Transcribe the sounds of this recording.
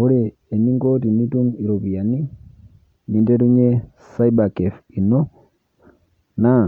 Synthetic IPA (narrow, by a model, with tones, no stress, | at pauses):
o˦ɾɛ˨ | e˨ni˦ŋɡo˦ti˨ni˦tu˦ni˨ɾo˨bi˨ja˨ni˦ | ni˨nde˦ɾu˦ɲe˦ | sa˦i˦ba˨kɛ˨fi˨nɔ˦ | na˦˨